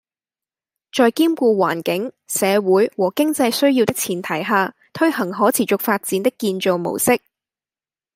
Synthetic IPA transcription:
t͡ʃɔː˧jkiː˥mkuː˧waː˨˩nkɪ˨˥ŋ | sɛː˨˧wuː˨˥jwɔː˨˩kɪ˥ŋt͡sɐ˧jsɵ˥ɥjiː˧wt̪ɪ˥k̚t͡sʰiː˨˩nt̪ʰɐ˨˩jɦaː˨˧ | t̪ʰɵ˥ɥhɐ˨˩ŋɦɔː˨˥t͡sʰiː˨˩t͡ʃʊ˨k̚faː˧t̚t͡siː˨˥nt̪ɪ˥kːiː˧nt͡ʃo˨˧wmo̰˨˩wsɪ˥k̚

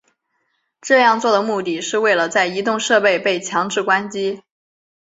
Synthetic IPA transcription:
ʈ͡ʂɤ˥˧jɑ˥˧ŋt͡swɔ˥˩d̪ə˩mu˥˧t̪i˥˩ʂɻ̩˥˧we˥˩ɪlə˩t͡sa˥˩ɪi˧˥t̪ʊ˥˧ŋʂɤ˥˧pe˥˧ɪpe˥˩ɪt͡ɕʰjɑ˧˥ŋʈ͡ʂɻ̩˥˩kwa˥nt͡ɕi˥

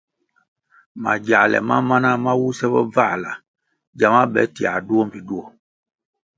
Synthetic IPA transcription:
ma˨d͡ʒa˨lɛ̰˨ma̰˦ma˦na˦ma˦wu˦sɛ˦bɔ̰˦va˦˨la˨ | d͡ʒa˨ma˦bɛ̰˨˦ti˨a̰˨du˦ɔ˦m̩˨bi˨du˦ɔ˦

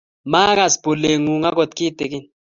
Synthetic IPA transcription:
ma˦ka˦˨sbo˨le˨ŋu˨ŋa˦kɔ˨t̪̚ki˦t̪e˨ki˦n

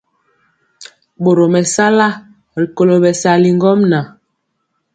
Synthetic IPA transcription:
ɓo˨ɾo˨mɛ˨sa˦la˦˨ | li˨ko˨lo˨ɓɛ˨sa˨li˨ŋ˦ɡɔ˦mna˨

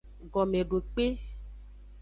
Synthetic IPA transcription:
ɡɔ˨me˨ɖo˨k͡pe˦

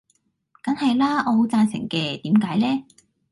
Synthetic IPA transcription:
kɐ˨˥nhɐ˨jlaː˥ʔɔː˨˧ɦo˨˥wt͡saː˧nsɪ̰˨˩ŋkɛː˧t̪iː˨˥mkaː˨˥jlɛː˥

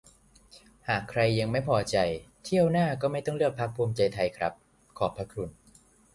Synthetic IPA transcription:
haː˨˩kʰɾa˧jːa˧ŋma˥˩jpʰɔː˧t͡ɕa˧jt̪ʰi˥˩əwnaː˥˩kɔː˥˩ma˥˩jt̪ɔ˥˩ŋɾɯ˥˩ək̚pʰːa˦˥k̚pʰuː˧mt͡ɕa˧jt̪ʰa˧jkʰɾa˦˥p̚ | kʰɔː˨˩pʰːa˧˦˥kʰɾu˧n

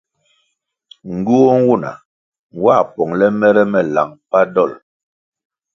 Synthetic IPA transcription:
ŋ̩˨ɡu˦o˦ŋ̩˦wu˦˨na̰˨ | ŋ˨wa˦˨pɔ˨ŋlɛ˦mɛ˦ɾɛ˦mɛ˨la̰˨ŋpa˦dɔ˦˨l

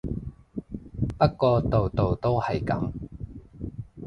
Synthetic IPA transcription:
pɐ˥t̚kɔː˧t̪o˨wt̪o˨wt̪o˥whɐ˨jkɐ̰˨˥m

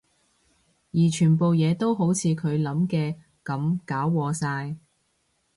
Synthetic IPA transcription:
jiː˨˩t͡ʃʰyː˨˩npo˨wjɛː˨˧t̪o˥wɦo˨˥wt͡sʰiː˨˧kʰɵ˨˧ɥlɐ˨˥mkɛː˧ | kɐ˨˥mkaː˨˥wːɔː˨˧saː˧j

